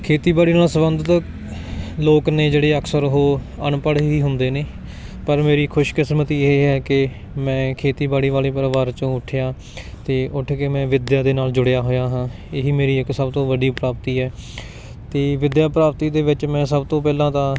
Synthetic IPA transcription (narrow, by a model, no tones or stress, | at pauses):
kʰeːt̪iːbaːɽiːnaːlsəbənd̪ət̪ | loːkneːd͡ʒeːɽeːəkʰsəɾɦoː | əɳpəɽɦiːɦʊnd̪eːneː | pəɾmeːɾiːkʰʊʃkɪsɾmət̪iːeːɦɛːkɪ | mɛ̃ːkʰeːt̪iːbaːɽiːʋaːleːpəɾʋaːɾt͡ʃõːʊʈʰjaː | t̪eːʔʊʈʰkeːmɛ̃ːʋɪd̪jaːd̪eːnaːld͡ʒʊɽejaːɦoːjaːɦãː | eːɦiːmeːɾiːɪksəbt̪õːʋəɖiːpɾaːpt̪iːɛː | t̪eːʋɪd̪jaːpɾaːpt̪iːd̪eːʋɪt͡ʃmɛ̃ːsəbt̪õːpɛːlãːt̪ãː